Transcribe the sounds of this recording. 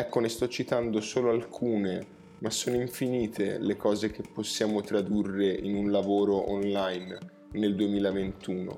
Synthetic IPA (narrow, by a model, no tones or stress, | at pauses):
ɛkːonest̪ɔt͡ʃːit̪and̪osoːloalkʰuːne | masːoːnoiɱfiniːt̪ʰelekɔːzek̟epːosːjaːmot̪ɾad̪urːeʔinunlavoːɾoʔonlajnː | eld̪uemiːlavent̪uːno̰